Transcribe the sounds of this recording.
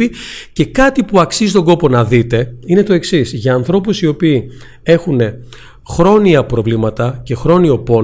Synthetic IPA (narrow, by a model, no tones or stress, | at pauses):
ice̞kɐt̪ipuɐksizit̪o̞ŋɡo̞po̞nɐðit̪e̞ine̞t̪o̞e̞ksisʝɐːnθɾo̞pusio̞piː | e̞xune̞ | xɾo̞niɐpɾo̞vlimɐt̪ɐce̞xɾo̞nio̞po̞